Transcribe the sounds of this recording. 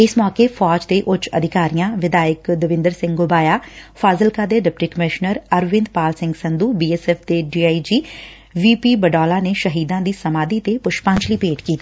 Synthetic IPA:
ɪsmɔːkeːfʰɔːd͡ʒd̪eːʔʊt͡ʃə̰d̪ʱɪkaːɾijãːʋɪd̪aːɪkd̪əʋɪ̃nd̪əɾsɪ̃ŋɡɡobaːjaːfʰaːzəlkaːd̪eːɖɪp̚ʈiːkəmɪʃnəɾəɾʋɪ̃nd̪paːlsɪ̃ŋɡsənd̪uːbiːɛːsɛːfd̪eːɖiːaːid͡ʒiː | ʋiːpiːbəɖɔːlaːneːʃəɦiːd̪ãːd̪iːsəmaːd̪iːt̪epʊʃpə̃ɲt͡ʃliːpeːʈkiːt̪iː

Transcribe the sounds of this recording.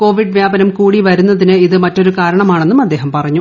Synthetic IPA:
ko̞ːʋiɖʋjaːbɐnɐmkuːɽiʋɐɾunːɐðinɨiðɨmɐtːo̞ɾukaːɾɐɳɐmaːɳe̞nːumɐd̪ːeːɦɐmpɐrɐɲːu

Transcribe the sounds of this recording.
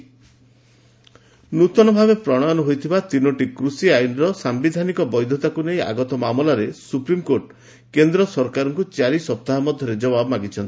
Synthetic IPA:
nut̪ɔnɔbʱabepɾɔɽ̃anɔɦojt̪ʰibat̪inɔʈikɾusiajnɾɔsambid̪ʱanikɔbɔjd̪ʱjɔt̪akuneja̰ɡɔt̪ɔmamɔlaɾesupɾimkoʈ | kend̪ɾɔsɔɾkaɾɔŋkut͡ʃaɾisɔp̚t̪aɦamɔd̪ʱjɔɾed͡ʒɔbabɔmaɡit͡ʃʰɔnt̪i̥

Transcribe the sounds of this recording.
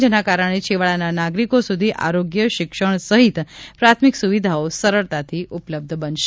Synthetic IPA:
d͡ʒənakaɾəɽ̃et͡ʃʰeʋəɭananaɡɾikosud̪ʱiʔa̰ɾoɡjəʃɪkʃəɳ̃səɦit̪pɾat̪ʰmiksuʋid̪ʱaosəɾəɭt̪at̪ʰiʔupləb̚d̪ʱbənʃ

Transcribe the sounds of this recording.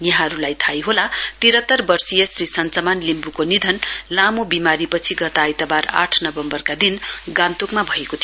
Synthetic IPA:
jʌɦãɾulajt̪ʰajɦolat̪iɾʌt̪ːʌrbʌrsijʌsrisʌnt͡sʌmanlimbukonid̪ʱʌnlamobimaɾipʌt͡sʰiɡʌt̪ajt̪ʌbara̰ʈʰnʌbʌmbʌrkad̪inɡãnt̪ukmabʱʌekot̪ʰi

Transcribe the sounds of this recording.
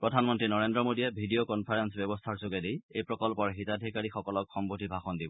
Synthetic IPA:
pɹɔdʱanmɔntɹinɔɹendɹɔmodiɛbʱidiokɔnpʰaɹensbjɔbɔstʰaɹsoɡɛdijejpɹɔkɔlpɔɹɦitadʱikaɹixɔkɔlɔkxɔmbotʰibʱaxɔndibɔ

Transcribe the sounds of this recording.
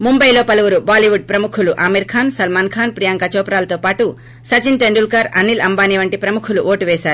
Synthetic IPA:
mumbɐjlo̞ːpɐluʋuɾubaːliʋuɖ̚pɾɐmukʰuluʔaːmiɾkʰaːnsɐlmaːnkʰaːnpɾijaːŋkɐt͡ʃɔːpɾaːlɐt̪oːpaːʈu | sɐt͡ʃint̪eɳɖulkaːɾɐ̰nilɐmbaːniʋɐɳʈipɾɐmukʰuluʔoːʈuʋɛːsaːɾu

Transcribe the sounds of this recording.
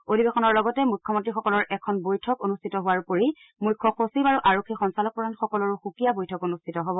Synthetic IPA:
odʱibɛxɔnɔɹlɔɡɔtɛmujkʰːɔmɔntɹixɔkɔlɔɹʔɛkʰɔnbojtʰɔkonustʰitɔɦʊwaɹpoɹi | mukʰːɔxosibaɹuʔaɹokʰːixɔnsalɔk̚pɔɹanxɔkɔlɔɹuxukijabojtʰɔkonustʰitɔɦɔbɔ

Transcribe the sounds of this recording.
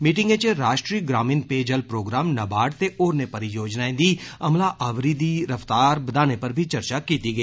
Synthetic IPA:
miːʈɪ̃ŋɡẽt͡ʃeɾaːʃʈɾiːɡɾaːmĩːnpeːd͡ʒəlpɾoːɡɾaːmnɐbaːɽt̪eʔoːɾnepɐɾijoːd͡ʒnaẽd̪iːɐmlaʔaːʋɾid̪iɾɐft̪aːɾbɐd̪aːnepɐɾbʱit͡ʃɐɾt͡ʃakiːt̪iɡəiː

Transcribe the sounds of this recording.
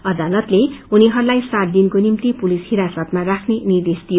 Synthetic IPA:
ʌd̪alʌt̪leuniɦʌɾulajsaʈ̚d̪inkonimt̪ipulishiɾasʌt̪marakʰnenird̪est̪ijo

